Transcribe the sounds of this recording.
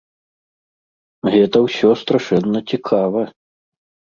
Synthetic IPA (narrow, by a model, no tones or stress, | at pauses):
ɣɛt̪ɐwsʲɔst̪ɾaʂɛnːɐt͡sʲikʰavɐ